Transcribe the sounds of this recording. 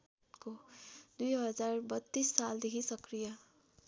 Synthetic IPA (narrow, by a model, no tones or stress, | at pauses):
kod̪ujɦʌd͡zarbʌt̪ːisːald̪ekʰisʌkrijʌ